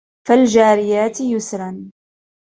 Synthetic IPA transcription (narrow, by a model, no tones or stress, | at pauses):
fald͡ʒaːɾɪjaːt̪jʊsɾˤɑn